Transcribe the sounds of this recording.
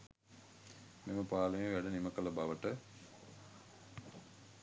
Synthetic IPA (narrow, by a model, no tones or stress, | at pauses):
meməpaːləmẽʋæɖəniməkələbaʋəʈə